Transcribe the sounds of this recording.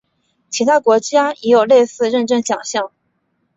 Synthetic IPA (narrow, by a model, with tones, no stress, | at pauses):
t͡ɕʰi˧˥t̪ʰa˥kwɔ˧˥t͡ɕja˥jɛ˧˥jo˨˩ʊle˥˧ɪsɹ̩˥˧ɻə˥˧nʈ͡ʂə˥˩nɕjɑ˨˩ŋɕjɑ˥˩ŋ